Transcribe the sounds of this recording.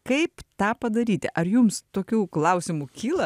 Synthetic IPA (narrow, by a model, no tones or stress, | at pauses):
kɐɪpt̪ɑːpɐd̪ɐɾʲiːt̪ʲɪ̰ʔɐɾjumst̪oːkʲuːklˠɐʊsʲɪmukʲiːlˠɐ